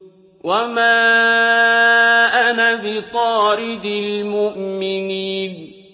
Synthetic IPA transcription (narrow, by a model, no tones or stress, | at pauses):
wamaː | ʔanabɪt̪ˤɑːɾɪd̪ɪlmʊʔmɪniːn